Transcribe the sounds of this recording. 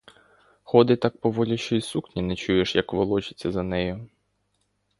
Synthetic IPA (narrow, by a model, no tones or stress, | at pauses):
xɔd̪ɪt̪ɑk̚pɔʋɔlʲʊʃt͡ʃɔisuxnʲinɛt͡ʃujeʃjɐkʋɔlˠɔt͡ʃɪ̥t͡sʲːɐzɐnɛjʊ